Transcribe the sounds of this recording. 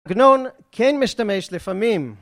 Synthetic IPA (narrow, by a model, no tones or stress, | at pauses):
ɡnon | kʰenmɪʃtameʃlɪfamim